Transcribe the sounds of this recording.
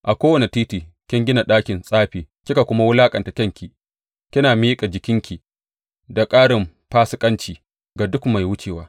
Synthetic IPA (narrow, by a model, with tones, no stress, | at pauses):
ʔa˨kʷoː˦wɐ˨ne˨tiː˦tiː˨ | kʲɪ˦ŋɡʲɪ˦na˨ɗaː˦kʲɪ˨nsʼaː˦ɸiː˨ | kʲɪ˦ka˨kʷʊ˦ma˦wʊ˦laː˦kʼɐ˨nta˨kʲɐ˦ŋkʲi˨ | kʲɪ˦naː˨miː˦kʼa˨d͡ʒɪ˨kʲɪ˦ŋkʲi˨ | da˨kʼaː˦ɽɪ˨m | ɸaː˦sɪ˦kʼɐ˦nt͡ʃiː˨ | ɡa˨dʊ˦kma˨jwʊ˦t͡ʃeː˨waː˦